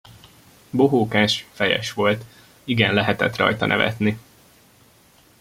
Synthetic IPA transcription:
boɦoːkaːʃfɛjɛ̰ʃʋo̞lt̪ | iɡɛnlɛɦɛt̪ɛ̰t̪rɒ̰jt̪ɒnʔɛ̰vɛ̰t̪ni

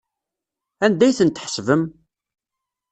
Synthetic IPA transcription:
ænd̪æjθənt̪ħsvəm

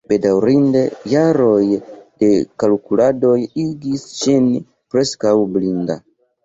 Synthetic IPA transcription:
b̥e̞dawɾinde̞jaɾo̞jde̞kalukulado̞jiɡist͡ʃin | pɾe̞skawblinda

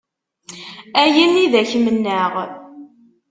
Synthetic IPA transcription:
æjənːiðæçmənːəʁ

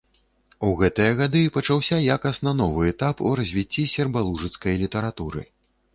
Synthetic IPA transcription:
uɣɛt̪ɨjɐɣad̪ɨpɐt͡ʂawsʲajakɐst̪nɐnɔvɨɛt̪apṵɾɐzʲvʲit͡sʲːisʲɛrbalˠuʐɨt̪skɐjlʲit̪ɐɾat̪uɾɨ̰

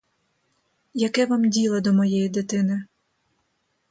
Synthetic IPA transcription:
jɐkɛʋɑmdʲilˠɐd̪ɔmɔjɛjid̪ɪt̪ɪnɪ

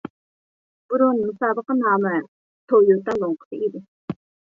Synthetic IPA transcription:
b̥uɾunmusɑːbəqənɑːmɛ | t̪ʰojot̪ɑlˠoŋqʰə̥t̪ɨid̪ɪ

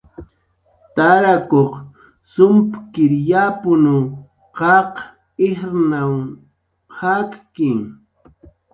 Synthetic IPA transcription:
t̪aɾakoq | sʊmpkɪɾjapʊnu | qɑq | ɪhɾnaw | hakkɪŋ

